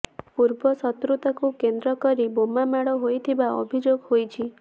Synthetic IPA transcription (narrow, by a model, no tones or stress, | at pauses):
puɾbɔsɔt̪ɾut̪ɔkukend̪ɾɔkɔɾibomamaɽɔɦojt̪ʰibaɔ̰bʱid͡ʒoɡhojt͡ʃʰi